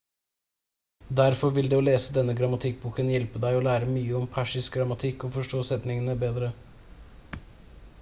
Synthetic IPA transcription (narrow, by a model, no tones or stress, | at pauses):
d̪æɾfɔɾʋɪld̪eːoːleːsəd̪ɛnːəɡɾɑmɑt̪ʰɪk̚buːkənjɛlpəd̪æɪɔːlæːɾəmyːəɔmpʰæʂɪsk̚ɡɾɑmɑt̪ʰɪkːɔfɔʂʈoːsɛt̪nɪŋənəbeːd̪ɾə